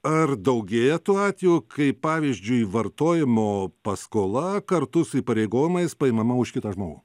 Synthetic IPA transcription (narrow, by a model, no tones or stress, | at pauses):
ɐrd̪ɐʊɡʲeːjɛt̪uːɑːt̪ʲʋʲeuːkʰɐɪppɑːʋʲiːzʲd͡ʒʲʊiʋɐrt̪oːjɪmoːpɐskoːlˠɐkɐɾt̪ʊsʊiːpɐɾʲɛɪɡoːjɪmɐɪspɐɪmɐmɐʊʃkʲɪt̪ɐʒmoːɡṵː